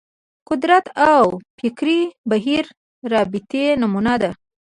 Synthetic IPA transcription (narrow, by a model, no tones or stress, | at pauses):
qʊd̪ɾat̪ʰawfɪkɾibaɦiɾː | ɑbɪt̪enamunad̪a